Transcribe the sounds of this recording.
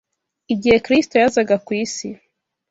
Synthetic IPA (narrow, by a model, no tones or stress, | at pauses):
iɟihe̞kɾistojazaɡakwiːsi